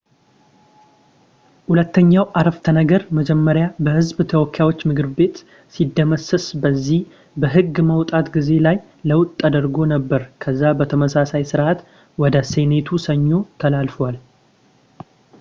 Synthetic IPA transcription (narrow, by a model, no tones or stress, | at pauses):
hulət̪ʰːəɲːawʔaɾəft̪ʰənəɡəɾməd͡ʒɛmːəɾjabəhɨzbt̪ʰəwɔkʰːjawot͡ʃːmɨkɨɾbe̞t̪ | sid̪ːəməsəsbəzːih | bəɦɨɡːməwt̪ʼat̪ɡize̞laj | ləwt̪ʼːad̪əɾɡo̞nəbːəɾkʰəzːabət̪ʰəməsasajsɨɾʔat̪ | wɔd̪əse̞ne̞t̪ʰusəɲːo̞t̪ʰəlalfəwal